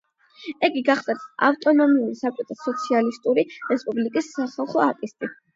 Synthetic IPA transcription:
ɛɡiɡaχsat̪a̰ft̪ʼɔnɔmiuɾisakʼɛt̪ʰasɔt̪sʰialist̪ʼuɾiɾɛspʼublikʼisːaχalˠχɔat̪ʼist̪ʼi

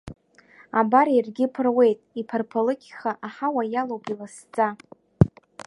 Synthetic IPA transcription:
abaɾirɡʲɪpʰɨrwe̞jtʼipʰarpʰalɨkʲʰχaʔaħawajalowpʼilast͡sʼa

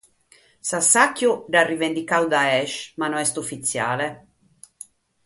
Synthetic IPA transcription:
sasːakːjuɖarːivend̪ikawd̪aɛʃmanɔɛst̪ufːit̪sːjaːle

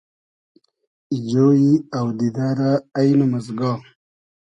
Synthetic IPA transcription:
id͡ʑoːjiawd̪id̪aɾaːjnumazɡa

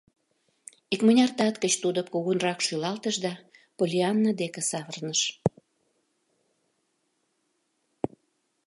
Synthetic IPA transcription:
ikmənʲɑrt̪ɑt̪kət͡ɕt̪ud̪opkuɣunrɑkʃylɑlt̪əʃd̪ɑpolʲiɑnːad̪ekĕsɑβərnəʃ

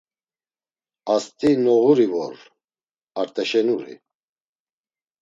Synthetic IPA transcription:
ast̪ʼinɔɣuɾivɔɾ | aɾt̪ʼɛʃɛnuɾḭ

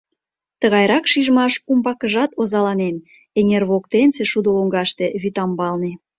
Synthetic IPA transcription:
t̪əɣɑjɾɑkʃiʒmɑʃumbɑkəʒɑt̪ozɑlɑnen | enʲerβokt̪enseʃud̪oloŋɡɑʃt̪eβyt̪ɑmbɑlni

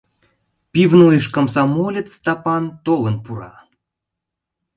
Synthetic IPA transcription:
pʲivnujəʃkəmsɑmolʲet͡st̪ɑpɑnt̪olənpuɾɑ̰

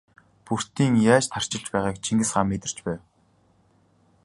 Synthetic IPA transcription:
pur̥t̪iːŋjaːt͡ɕt̪ʰar̥t͡ɕɪ̆ɮt͡ɕpæːʁaːkt͡ɕʰiŋɡɘ̆sχaːmːet̪ɘ̆r̥t͡ɕpæːw

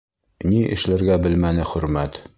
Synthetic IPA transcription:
niʔɘ̰̆ʃlɘ̆ɾɡæbɘ̆lmænɘχɵ̆ɾmæt̪

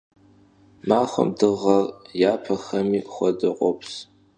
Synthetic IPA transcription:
maːχə̰mdɨʁɐrjaːpʰɐxɐmiːχʷɐdɨqʷʼɔpʰs

